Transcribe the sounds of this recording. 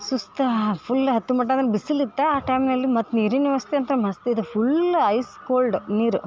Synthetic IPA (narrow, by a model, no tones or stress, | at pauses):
sust̪ɐpʰulːɦɐt̪ːumɐʈ̬ːad̪ɐɾbisilit̪ːɐaːʈɐjmnɐlːimɐt̪ːniɾiniʋɐsi̥t̪iɐnt̪ɐnɐmɐst̪eid̪upʰulɐjskoːlɖniːɾu